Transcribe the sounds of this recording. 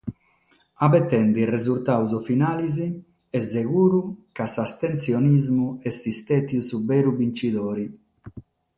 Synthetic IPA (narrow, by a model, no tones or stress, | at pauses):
abɛt̪ːɛnd̪irezult̪awzɔfinaːlizi | ɛzːeɣuːɾukasast̪ensjonizmuɛsist̪ɛt̪jusubɛːɾubint͡ʃid̪oːɾi